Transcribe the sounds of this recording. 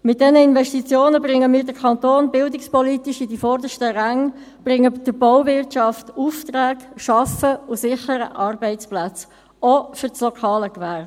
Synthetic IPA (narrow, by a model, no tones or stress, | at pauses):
mɪt̚d̥ɛnəɪnvɛʃtit͡sjoːnəbɾɪŋəmiːɾdəkʰɑnt̪oːnbɪldɪkspɔlitɪʃidifɔɾdəʃtəɾæŋ | b̥rɪŋːəd̥əb̥ɔʊvɪɾtʃɑftuːftraːɡʃɑfəʊsɪχəɾə̰ʔɑrbɛɪt͡splæt͡s | ofʏɾslɔkʰɑːləkvær